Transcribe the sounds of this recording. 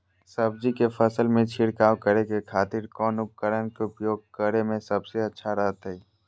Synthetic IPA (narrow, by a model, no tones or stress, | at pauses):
səbd͡ʒikefʰəsəlmẽt͡ʃʰɪɽkaːwkəɾekekʰaːt̪ɪɾkɔːnʊp̚kəɾənkeʊpjoːɡ̚kəɾemẽsɐbseɐtːʃʰaɾəɦt̪aɦiː